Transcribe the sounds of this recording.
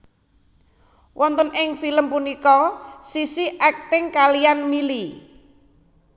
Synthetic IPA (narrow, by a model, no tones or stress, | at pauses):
wʔɔnt̪ɔnʔɪŋfiləmpunikɔsisiʔɛk̚t̪ɪŋkalianmili